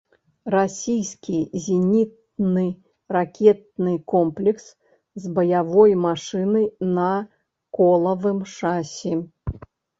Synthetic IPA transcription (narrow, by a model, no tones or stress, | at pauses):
rasʲijskʲizʲinʲit̪̚ | nɨ | rakʲɛt̪̚nɨkɔmplʲɛks | zbɐjavɔjmaʂɨnɨnɐ | kɔlˠɐvɨmʂasʲɛ